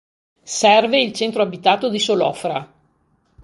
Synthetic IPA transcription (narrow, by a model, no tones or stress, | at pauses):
sɛrveilt͡ʃɛnt̪ɾoabit̪aːt̪od̪isolɔ̰fɾa